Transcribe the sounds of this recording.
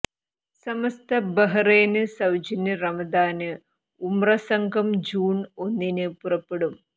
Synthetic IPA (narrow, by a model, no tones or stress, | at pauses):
sɐmɐst̪ʰɐbɐɦɐreːnɨsɐwd͡ʑɐnɨrɐmɐd̪aːnɨ | umrɐsɐŋɡʱɐmd͡ʑuːɳo̞nːinɨpurɐpːeɽum